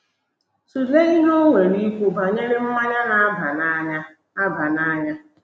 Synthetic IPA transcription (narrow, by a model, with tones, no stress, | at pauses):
su˨le˦i˦ɦo˦ŋʷe˨ɾi˦kʷu˦ba˨ɲe˦ɾɪ˦m̩˦ma˦ɲa˦na˨˦ba˨na˦ɲa˦ | a˦ba˨na˦ɲa˦